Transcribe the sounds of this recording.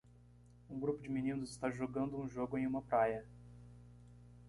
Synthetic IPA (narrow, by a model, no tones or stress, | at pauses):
ũɡɾupʊd͡ʒɪminĩnʊzɪst̪aʒoɡɐ̃nd̪ʊũʒoɡʊẽj̃ũmɐpɾajɐ